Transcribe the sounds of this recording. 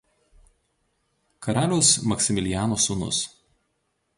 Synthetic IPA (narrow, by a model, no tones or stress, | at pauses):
kɐɾɑːlʲoːsmɐksʲɪmʲɪlʲɪjæːnoːsʊnʊ̰s